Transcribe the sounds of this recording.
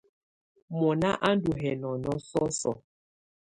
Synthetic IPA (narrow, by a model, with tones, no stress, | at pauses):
mɔ˨na˦ʔa˦n˦du˨ɦɛ˨nɔ˨nɔ˦sɔ˦sɔ̰˨